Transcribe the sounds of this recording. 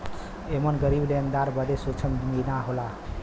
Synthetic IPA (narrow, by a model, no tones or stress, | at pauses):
emənɡəɾiblend̪aɾbəd̪esot͡ʃʰənminaɦola